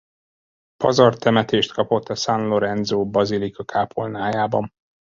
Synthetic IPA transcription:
pɒ̰zɒrt̪ɛmɛt̪eːʃt̪kɒpo̞t̪ːɒsanlo̞ɾɛnzoːbɒzilikɒkʰaːpʰolnaːjaːbɒm

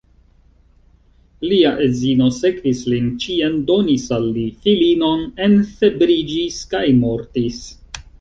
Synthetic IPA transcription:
liaʔezino̞se̞kvislint͡ʃiendo̞nisalːifilino̞ne̞nfe̞bɾid͡ʒiskajmo̞ɾtis

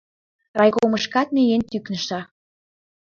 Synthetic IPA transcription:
rɑjkoməʃkɑt̪̚mejent̪yknə̆ʃɑ

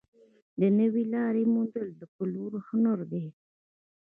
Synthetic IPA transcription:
d̪ənəwilɑɾemund̪əld̪əkuluɾhʊnəɾd̪e

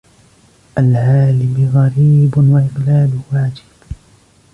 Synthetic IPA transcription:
ʔalʕaːlɪbɣaɾiːbʊwaʔɪqlaːlwaːd͡ʒɪb̥

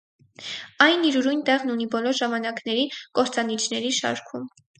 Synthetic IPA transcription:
ɑjniɾuɾujnt̪ɛʁnunibɔlɔɾʒɑmɑnɑknɛɾikɔɾt͡sɑnit͡ʃʰnɛɾiʃɑ̰ɾkʰum

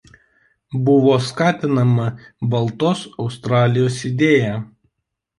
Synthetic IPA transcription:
bʊʋoːskɑːt̪ʲɪnɐmɐbɐlˠt̪oːsɒʊst̪ɾɑːlʲɪjoːsɪd̪ʲeːjæː

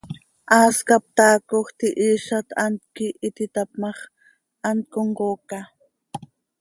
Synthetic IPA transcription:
ʔaːskap̚t̪aːkoχt̪iʔiːʃat̪ant̪̚kiʔit̪it̪apmɑχ | ant̪̚koɴɢoːka

